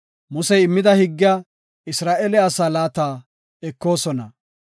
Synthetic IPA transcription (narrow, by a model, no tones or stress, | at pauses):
mʊsɛjɪmːɪd̪ɐhɪɡːɪja | ɪsɾaːʔɛlɛɐsaːlaːt̪aː | ɛkːo̞ːsɔnɐ